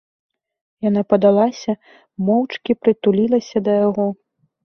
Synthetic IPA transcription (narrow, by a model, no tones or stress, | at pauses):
janapɐd̪alˠasʲɐ | mɔwt͡ʂkʲipɾɨt̪ulʲilˠɐsʲɐd̪ɐjaɣɔ